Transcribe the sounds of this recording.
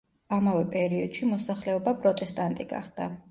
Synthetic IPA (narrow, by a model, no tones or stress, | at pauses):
amavɛpʼɛɾiɔd̪̥ʃimɔsaχlɛɔbapʼɾɔt̪ʼɛst̪ʼant̪ʼiɡa̰χd̪̥a